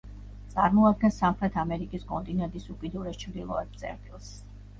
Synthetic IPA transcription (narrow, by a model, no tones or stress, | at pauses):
t̪sʼaɾmɔad̪̚ɡɛnsːamχɾɛt̪ʰamɛɾikʼiskʼɔnt̪ʼinɛnt̪ʼisukʼid̪uɾɛst͡ʃʰvd̪ilˠɔ̰ɛp̚t̪sʼɛ̰ɾt̪ʼilˠs